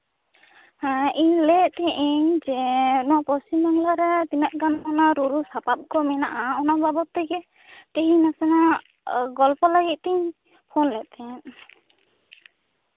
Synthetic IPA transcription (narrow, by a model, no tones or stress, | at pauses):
hãiɲlɛʔt̪ɛʔiɲd͡ʒɛnɔwapɔst͡ʃimbaŋlaɾɛt̪inaʔɡanmanaɾuɾusapap̚kɔmɛnaʔaɔnɔbabɔt̪ɛɡɛ | t̪ɛɦĩnasɛna | ɡɔlpɔlaɡit̪̚ˀt̪ɛɲ | pʰɔnlɛʔt̪ʰɛn